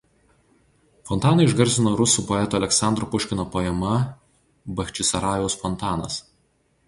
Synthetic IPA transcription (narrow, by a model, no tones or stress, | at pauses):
fɔnˑt̪ɑːnɐɪɪʒɡɐɾʲsʲɪnoːɾʊsuːpɔɛt̪oːɐlʲɛksɑˑnd̪ɾopʊʃʲkʲɪnoːpoɛmɐ | bɐxʲt͡ʃʲɪsɐɾɑːjʲɛʊsfɔnt̪ɑːnɐs